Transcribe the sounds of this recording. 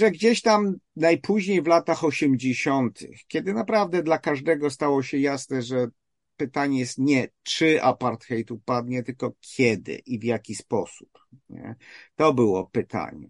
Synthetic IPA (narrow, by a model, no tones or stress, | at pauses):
ʐɛɡd͡ʑeɕt̪amnajpʰuʑɲejvlat̪axɔɕɛmd͡ʑeɕɔnt̪ʰɘ̰xkʲɛd̪ɘnapɾavd̪ɛd̪lakaʐd̪ɛɡɔst̪awɔɕɛjasnɛʐɛ | pɘt̪aɲɛjɛst̪ɲɛt͡ʂɘʔa̰paɾt̪xɛjt̪upad̪ɲɛt̪ɘlkɔkʲʰjɛd̪ɘ̰ʔivjakʲispɔsu̥p | ɲɛ̰t̪ɔbɘwɔ̰pɘt̪a̰ɲɛ̰